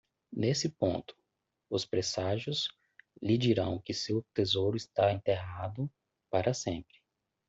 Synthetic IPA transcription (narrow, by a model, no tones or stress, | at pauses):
nesɪpõ̰nt̪ʊ̥ | ʊspɾesaʒʊs | lid͡ʒiɾɐ̃w̃kɪsewt̪ezowɾʊɪst̪aẽnt̪eɦad̪ʊ | paɾɐsẽmpɾɪ̥